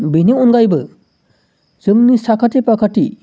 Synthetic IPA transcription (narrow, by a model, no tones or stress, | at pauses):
bineunɡajbɯ | z̥ɯmnisakʰatepakʰatḭ